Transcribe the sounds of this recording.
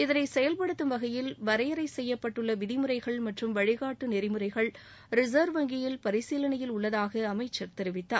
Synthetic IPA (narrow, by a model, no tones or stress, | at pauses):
ɪðɐnɐɪsɛjɐlpɐɽɯt̪ːɯmʋɐɣɐjɪlʋɐɾɐjɐɾɐɪsɛjːɐpːɐʈːɯɭːɐʋɪðɪmɯɾɐɪɣɐɭmɐʈrɯmʋɐɻɪɣaːʈːɯnɪɾɪmɯɾɐɪɣɐɭ | ɾɪzɐːɾʋɐŋɡɪjɪlpɐɾɪsiːlɐnɐjɪlʊɭːɐðaːɣɐːmɐɪt͡ʃːɐɾt̪ɛɾɪʋɪt̪ːa̰ː